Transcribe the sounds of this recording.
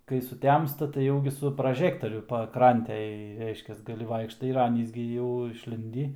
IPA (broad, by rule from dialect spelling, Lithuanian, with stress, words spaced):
kɐɪ sʊˈtʲɛmstɐ tɐɪ ˈjɛʊ ɡʲɪ sʊ prɐˈʒʲæːktoːrʲʊ pɐˈkrɐnʲtʲeːj ˈrʲɛɪʃʲkʲɛs ˈɡɑːlʲɪ ˈʋɐɪkʃtɐɪ ɪr ˈɑːnʲiːs ɡʲɪ jɛʊ ɪʃʲˈlʲɪnʲdʲiː